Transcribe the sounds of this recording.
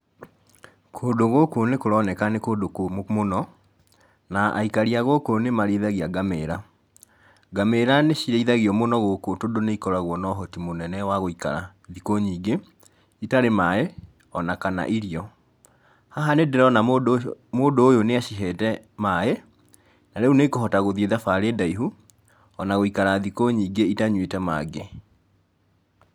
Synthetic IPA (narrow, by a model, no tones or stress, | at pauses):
kʰoːdoɣokonekoɾɔnɛkanekodokommonɔ | naʔa̰ikaɾiaɣokonemaɾeiðaɣiaɡameɾa | ɡameɾaneɕiɾeiðaɣiɔmonɔɣokotodoneikɔɾaɣwɔnɔɦɔtimonɛnɛwaɣoika̰ɾa̰ | ðikoɲiːɡe | itaɾemae | ɔnakana̰ʔiɾiɔ | haɦanedeɾɔnamodoːjoneaɕiɦɛtɛmae | naɾɛuneikoɦɔtaɣoðieðafaɾedaiɦu | ɔnaɣoikaɾaðikoɲiːɡeitaɲwetɛma̰ɡe